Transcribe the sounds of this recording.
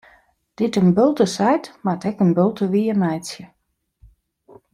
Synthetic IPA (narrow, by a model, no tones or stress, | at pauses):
d̥ɪtənbølˠtəsɛjtmatɛkənbølˠtəʋiənɛjsjə